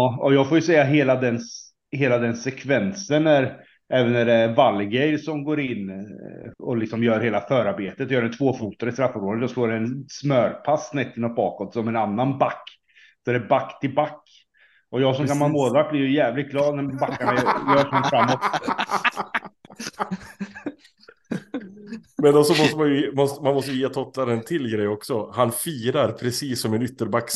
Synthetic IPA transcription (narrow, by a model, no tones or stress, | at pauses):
ɔjɑːɡfoːjɵsɛjːaɦeːlad̪ɛn | heːlad̪ɛnsɛkʰvɛnsənæɾ | ʔɛːvənːæɖɛvalːɡɛjsɔmɡoːɾɪnː | ɔlɪksɔmjœːɾheːlafœːɾaɾbeːt̪ət̪jœːɖɛnt̪ʰvoːfuːt̪aɾɪst̪ɾafːɔɾoːjɔsloːɾɛɛnsmœːɾpʰasːnɛt̪ːɪnɔt̪̚bɑ̰ːkɔt̪sɔmɛnanːanbakː | d̪ɛɾɛbakːt̪ʰɪlbakː | ʔɔjɑːɡsɔmkanmanmoːlvak̚blɪɾjəjɛːvlɪt̪̚ɡlɑːd̪næbakːaɳajœːʂɔmfɾamːɔt̪ | mɛnd̪ɔsɔmɔst̪əmanjmɔst̪manmɔst̪əjjeːt̪ʰɔt̪ːad̪ɛnt̪ʰɪlɡɾɛjɔksɔhanfiːɾaɾpʰɾɛsiːsːɔmɛnʏt̪ːəɾbakː